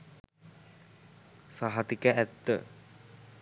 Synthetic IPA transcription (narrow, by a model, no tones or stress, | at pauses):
saɦat̪ikəæt̪ːə̰